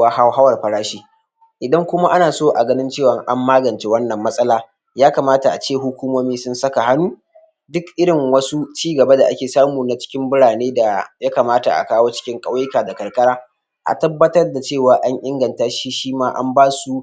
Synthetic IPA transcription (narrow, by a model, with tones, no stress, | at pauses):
a˦ha˦ɦa˦wɐ˨rɸɐ˨ɽaː˦ʃiː˦ | ʔɪ˨dɐ˦ŋkʷʊ˦ma˦ʔa˦naː˨soː˦ʔa˨ɡɐ˦nɪ˦nt͡ʃeː˦˨wɐ˦ŋʔa˦mːaː˦ɡɐ˨nt͡ʃe˦wɐ˦nːɐ˨mːɐ˦sʼɐ˦laː˨ | jaː˦kaː˨maː˦ta˨ʔa˨t͡ʃeː˦˨ɦʊ˦kʷuː˦moː˦miː˦sʊ˦nsɐ˦ka˨ha˦nuː˦ | dʊ˦kʔɪ˦ɽɪ˨ŋwɐ˦su˦t͡ʃiː˦ɡɐ˨ba˦da˨ʔa˦kʲeː˨saː˦muː˨na˨t͡ʃɪ̥˦kʲɪ˦mbʊ˦ɽaː˨neː˦da˨ja˦ka˨maː˦ta̰˨ʔa̰˨kaː˦woː˦t͡ʃɪ̥˦kʲɪ˦ŋkʼɐ˦wjɪ˦kaː˨da˨kɐ˨rkʼɐ˦ɽaː˦ | ʔa̰˨tɐ˦bːɐ˦tɐ˦rda˨t͡ʃeː˦˨waː˨ʔa˦ɲʔɪ˦ŋɡɐ˨ntaː˦ʃi˦ʃiː˦maː˦ʔa̰˦mbaː˦su˦